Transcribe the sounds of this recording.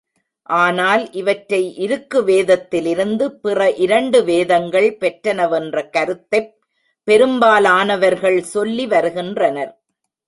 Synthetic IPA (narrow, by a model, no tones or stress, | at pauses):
ʔaːnaːlʔɪʋɐʈːɾɐɪʔɪɾɯkːɯʋeːðɐt̪ːɪlɪɾɯnd̪ɯpɪrɐʔɪɾɐɳɖɯʋeːðɐŋɡɐɭpɛʈːɾɐnɐʋɛndrɐkɐɾɯt̪ːɐɪpː | ɛɾɯmbaːlaːnɐʋɐɾɣɐɭsɔlːiʋɐɾɯɣɪndrɐnɐɾ